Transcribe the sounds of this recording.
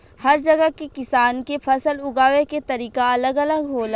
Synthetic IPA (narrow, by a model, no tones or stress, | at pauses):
hɐɾd͡ʒɐɡəkekɪsaːnkepʰɐsəlʊɡaːʋeket̪ɐɾiːkaɐləɡɐləɡɦoːla